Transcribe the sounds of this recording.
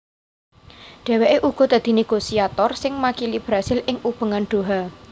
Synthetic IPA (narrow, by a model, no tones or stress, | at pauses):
ɖ̪̥ɛ̤weʔeʔuɡ̥ɔ̤d̪̥a̤d̪̥i̤neɡ̥osiat̪ɔrsɪŋmakilib̥ɾasɪlɪŋub̥ə̤ŋanɖ̪̥o̤ɦa